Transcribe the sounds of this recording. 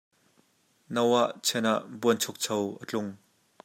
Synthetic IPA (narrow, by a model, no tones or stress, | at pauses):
nɐwaʔt͡sʰɛnaʔbuənt͡sʰʊk̚t͡sʰɐwʔət͡ɬʊŋ